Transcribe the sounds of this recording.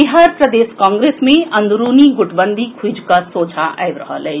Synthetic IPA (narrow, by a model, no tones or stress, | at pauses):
bɪɦaːɾpɾɐd̪eːskãːŋɡɾeːsmẽɐ̃nd̪ɾuːniɡʊʈʰbə̃nd̪ʱikʰʊd͡ʒkasoːt͡ʃʰaʔɛ̰jbɾɐ̰ɦə̰lɐ